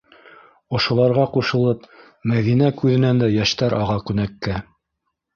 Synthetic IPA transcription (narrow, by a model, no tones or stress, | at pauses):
ŏʃŏlˠɑɾʁɑquʃɤ̆lˠɤp | mæðinækʉðɘ̆nænd̪æjæʃt̪æɾɑʁɑkʉnækːæ